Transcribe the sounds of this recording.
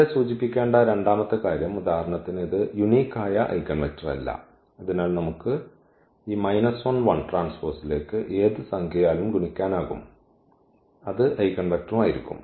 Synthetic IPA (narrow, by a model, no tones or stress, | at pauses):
esuːt͡ɕipːikʲːe̞ːɳɖɐɾe̞ɳɖaːmɐt̪ːɨkaːɾjɐmud̪aːhɐɾɐɳɐt̪ːiniðɨjuniːkːaːjɐʔɐ̰jkːɐnʋɐt͡ɕːɐʋɐ̰lːɐ̰ | ɐðinaːlnɐmukːɨ | iːmɐjnɐsɐnʋɐɳʈraːnsfoːrsile̞ːkːɨʔe̞ːðɨsɐŋkʰɐjaːlumɡuɳikʲːaːnaːɣṵm | ɐðɨʔɐjkːɐɳʋɐk̚ʈrumaːjiɾikʲːṵm